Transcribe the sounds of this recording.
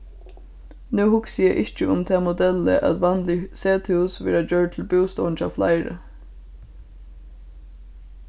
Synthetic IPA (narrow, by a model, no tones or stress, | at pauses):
nuːhʊksɪjɛʔɪht͡ʃːəʊmt̪ʰɛːmʊd̪ɛlːə̰ʔæ̰t̪ʋɑnlɪseːt̪ʰɪʊsʋɛ̰ːɹad͡ʒœːɹ̚t̪ʰɪlbuːst̪ɔːnt͡ʃa̰fla̰ɪɾə̰